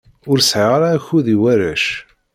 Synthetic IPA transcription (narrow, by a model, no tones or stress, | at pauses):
ʊɾsʕɪʁaɾaːçuðiwæɾæ̰ʃ